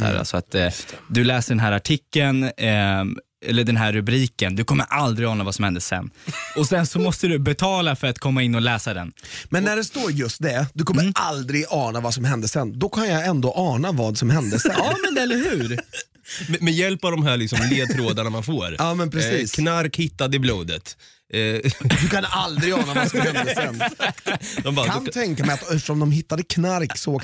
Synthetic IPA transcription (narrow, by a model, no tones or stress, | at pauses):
æ̰ːɾa̰lsɔat̪ːd̪ɵlɛːsəɖɛnɦæːɾaʈʰɪkːən | ɛ̰lːəɖɛnɦæɾːɵbɾiːkənd̪ɵkʰɔmːə̰ɾʔald̪ɾɪɡɑːnavasɔmhɛnd̪əsɛ̰nːɔsɛnsɔmɔst̪əd̪ɵbɛt̪ʰɑːlafœɾat̪kʰɔmːaɪnːɔlɛːsad̪ɛnmɛnːæɖɛst̪oːɾjɵst̪̚d̪ɛd̪ɵkʰɔmːəʔald̪ɾɪɡɑːnavasɔmhɛnd̪əsɛnːd̪ɔkʰanjaɛnd̪oːʔɑːnavɑːd̪sɔmhɛnd̪əsɛɑːmɛnɛlːəɾɦʉ̟ːɾ | mɛmɛjɛlpavd̪ɔmɦæːɭlɪksɔmleːd̪t̪ʰɾoːd̪aɳamanfoːɾjɑːmɛnpʰɾɛsiːskʰnaɾkhɪt̪ːad̪əɪbluːd̪ə̰t̪ | d̪ɵkʰanald̪ɾɪɡɑːnavaskhɛnd̪d̪sɛn | d̪ɔmaɾkʰant̪ʰɛŋkamɛjat̪ɛft̪ə̥ʂɔmd̪ɔmɦɪt̪ːad̪əkʰnaɾkso